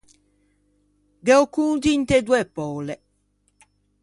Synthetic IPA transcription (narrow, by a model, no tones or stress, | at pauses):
d̪ɛokud̪int̪ɛd̪uɛpːɔːlɛ